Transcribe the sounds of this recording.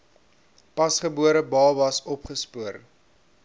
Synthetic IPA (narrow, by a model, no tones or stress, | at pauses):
pɐsχəbuəɾəbɑːvɐsɔpχəspuər